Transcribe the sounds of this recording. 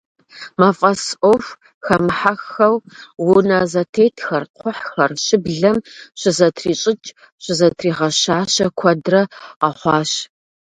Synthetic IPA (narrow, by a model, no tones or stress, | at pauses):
mafʼɐsʔof | xɐmħaxɐwwʊnɐzɐtʰeːtʰxɐrqʷʰʊħxɐrʃɪbɮɐmɕɪzɐtʰriːɕʼɪt͡ʃʼ | ɕʷɪzɐtʰriːʁɐɕaːɕɐkʷʰɐdrɐʁɐχʷɑːɕ